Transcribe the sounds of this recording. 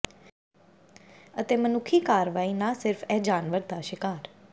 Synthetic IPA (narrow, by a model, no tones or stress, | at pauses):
ət̪eːmənʊkʰiːkaːɾʋaːiːnãːsɪɾfʰɛːd͡ʒaːnʋəɾd̪aːʃɪkaːɾ